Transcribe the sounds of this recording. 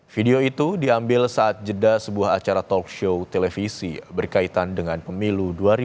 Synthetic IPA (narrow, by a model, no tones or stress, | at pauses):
fideoit̪udiambɪlsaːt̪̚d͡ʒədasəbuaɦat͡ʃaɾat̪ɔkʃowt̪elefisḭbərkait̪andəŋanpəmiluduaɾi